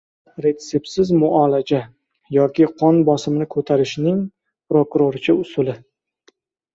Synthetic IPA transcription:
ɾe̞t̪sepsɪzmʊɒlad͡ʒa | jɒkʲɪqʰɒnbɒsɪmɪnɪkʰɵt̪ʰaɾɪʃnɪŋ | pɾokʊɾoɾt͡ʃʰɪʊsʊlɪ

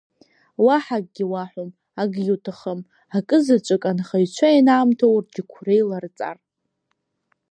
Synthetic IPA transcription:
waħak̚ʼɡʲiwaħʷom | aɡjutʰaχəm | akʼɨzat͡ʃʷʼɨkʼanχajt͡ʃʷʰainaːmtʰowrɡʲɪkʷʰre̞jlart͡sʼa̰r

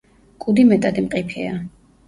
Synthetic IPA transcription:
kʼud̪imɛt̪ʼad̪imqʼipʰɛ̰a

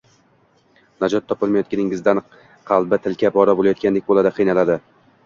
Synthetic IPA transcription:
nad͡ʒɒt̪ʰːɒpɪlˠmajɒt̪̚kʲanɪŋɪzd̪an | qʰɑlˠbɪt̪ʰɪlkʲʰabɒɾabolˠajɒt̪̚kʲand̪ekʲbolˠad̪aqʰɨjnalad̪ɪ

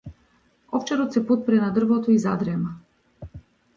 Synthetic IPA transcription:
ɔft͡ʃɛɾɔt̪sɛput̪̚pɾɛnad̪r̩vɔt̪ɔizad̪ɾɛma

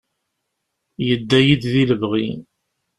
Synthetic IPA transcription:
jəd̪ːæjid̪ðiləvʁḭn

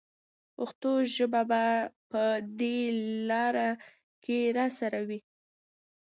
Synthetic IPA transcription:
pʊxt̪oʒəbabapəd̪elɑɾa | keɾɑsaɾawi

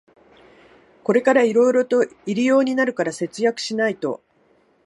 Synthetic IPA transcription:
ko̞ɾe̞kaɾaiɾo̞iɾo̞t̪o̞iɾʲijo̞ːɲ̟inaɾɯ̟kaɾase̞t͡sɨjakɯ̟̥ɕinait̪o̞̰

